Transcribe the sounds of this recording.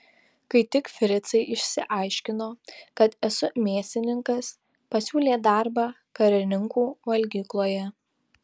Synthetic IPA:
kɐɪt̪ʲɪkfʲɪɾʲɪt̪sɐɪʔɪʃʲsʲɪʔɐˑɪʃʲkʲɪnoːkɐt̪ɛsʊmʲeːsʲt̪ʲɪnʲɪŋkɐs | pɐsʲuːlʲeːd̪ɑˑɾbɑː | kɐɾʲɪnʲɪŋkuːʋɐlʲɡʲiːklˠoːjɛ

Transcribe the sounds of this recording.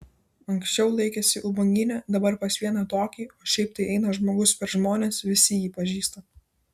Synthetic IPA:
ɐŋksʲt͡ʃʲɛʊlˠɐɪkʲɛsʲɪʔʊbɐŋʲɡʲɪnʲɛd̪ɐbɐɾpɐsʋʲiɛnɐt̪oːkʲiːoːʃʲɛɪp̚t̪ɐɪʔɛɪnɐʒmoːɡʊspʲɛɾʒmoːnʲeːsʋʲɪsʲɪjiːpɐʒʲiːst̪ɐ

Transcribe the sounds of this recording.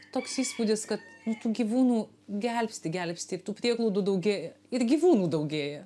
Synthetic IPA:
t̪oːksiːspuːd̪ʲɪskɐt̪nʊt̪uːɡʲiːʋuːnuː | ɡʲɛlʲpʲsʲt̪ʲɪɡʲɛlʲpʲsʲt̪ʲɪɪɾt̪uːpʲɾʲiɛɡlˠɐʊd̪uːd̪ɐʊɡʲeːjɛ | ɪɾɡʲiːʋuːnuːd̪ɐʊɡʲeːjɛ

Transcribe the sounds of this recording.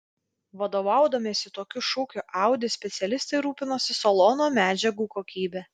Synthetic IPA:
ʋɐd̪oːʋɑˑʊd̪ɐmʲeːsʲɪt̪oːkʲʊʃʊːkʲʊʔɑˑʊd̪ʲɪsʲpʲɛt̪sʲɛlʲɪst̪ɐɪɾuːpʲɪnoːsʲɪsolˠɔnoːmʲæːd͡ʒʲɛɡuːkoːkʲiːbʲɛː

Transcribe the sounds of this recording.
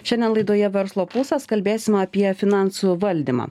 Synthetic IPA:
ʃʲɛnʲd̪ʲɛnlˠɐɪd̪oːjɛʋʲɛɾslˠoːpʊsɐskɐlʲbʲeːsʲɪmɐpʲiɛfʲɪnɑˑnsuʋɐlʲd̪ʲimɑ̰ː

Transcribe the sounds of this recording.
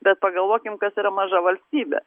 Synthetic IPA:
bʲɛt̪̚pɐɡɐlˠʋokʲɪmkɐsɛɾɐmɐʒɐʋɐlʲsʲibʲɛ̰

